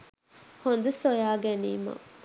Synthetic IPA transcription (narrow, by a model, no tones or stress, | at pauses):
hond̪usojaːɡæniːmɐ̰